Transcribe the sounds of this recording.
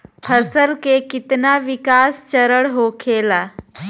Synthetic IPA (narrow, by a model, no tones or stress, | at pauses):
pʰəsəlkekit̪naʋikast͡ɕəɾəɽɦokʰela